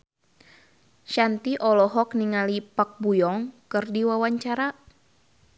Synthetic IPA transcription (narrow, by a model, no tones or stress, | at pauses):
ʃant̪iʔɔlɔɦɔkniŋalipak̚bujɔŋkɨrdiwawaɲt͡ʃaɾa